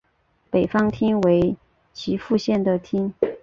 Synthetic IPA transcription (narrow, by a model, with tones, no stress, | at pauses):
pe˨˩ɪfɑ˥ŋt̪ʰi˥ŋwe˧˥ɪ | t͡ɕʰi˧˥fu˥˧ɕjɛ˥˩nd̪ə˩t̪ʰi˥ŋ